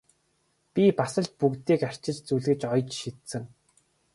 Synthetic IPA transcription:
pʲipasə̆ɮt̪̚pukt̪iːkar̥t͡ɕɪ̆t͡ɕt͡suɮɣɘ̆t͡ɕɔjt͡ɕʃit̪sɘ̆ŋ

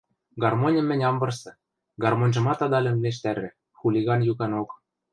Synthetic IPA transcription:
ɡɑrmonʲɘ̆mːɘ̆nʲɑmbɤ̆rsɤ̆ | ɡɑrmonʲʒɤ̆mɑt̪ɑd̪ɑlʲɘ̆nleʃ̬t̪æɾɘ̆ | xulʲiɣɑnjukɑnok

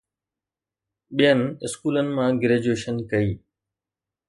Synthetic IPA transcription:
ɓijənɪ̆ɪskuːlənɪ̆mãːɡɪɾeːd͡ʑueːʃənkɐiː

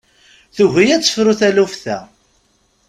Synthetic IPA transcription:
θuʝijæt͡sːə̥fɾuθælufθæ

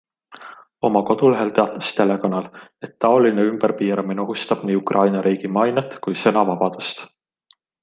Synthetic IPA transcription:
o̞mɑko̞d̪̥uleɦe̞lt̪e̞ɑt̪ːˑɑ̥st̪e̞le̞konːɑle̞t̪ːɑo̞lineymb̥ərpiːɾɑmineoɦust̪ɑb̥niːukrʔɑjnɑɾʔiːɡ̥imɑjnɑt̪kujsɤ̞nɑvɑb̥ɑd̪̥ust̪

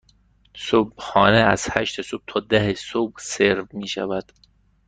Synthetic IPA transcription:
sob̚xɒːneæz̥hæ̰ʃt̪esob̥̚t̪ʰɒːd̪æhesobseɾvmiːʃæ̰væd̪̥

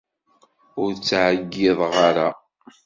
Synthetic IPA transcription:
ʊɾt͡sːʕɡːɪðˤʁaɾa

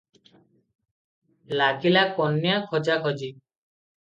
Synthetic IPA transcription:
laɡilakɔnːjakʰɔd͡ʒakʰɔd͡ʒi

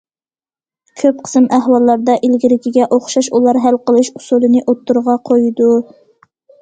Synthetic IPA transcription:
kʲʰøp̚qʰə̥sɨmæɦwɑlˠːɑɾd̪ɑʔilɡʲilɪkʲiɡʲɛʔoχʃɑʃulˠɑɾɦælqəlˠɨʃusulˠɨnɨʔot̪ːuɾʁɑqʰojd̪u

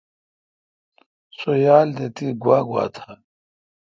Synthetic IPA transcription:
sojaːld̪et̪iɡwaːɡwa̰ːt̪ʰa

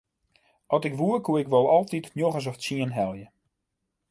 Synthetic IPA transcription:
ʔɔtɪkʋuərkʰuɪkʋɔlˠɔlˠtitnjoɣəs̬ɔfsiənɦɛlˠjə

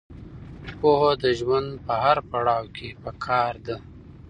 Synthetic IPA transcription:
poɦod̪əʒwand̪pəɦaɾpaɽɑwkʰepəkʰɑːɾd̪a

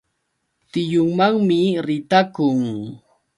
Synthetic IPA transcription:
t̪ɪjʊŋmaŋmɪɾɪt̪akʊŋ

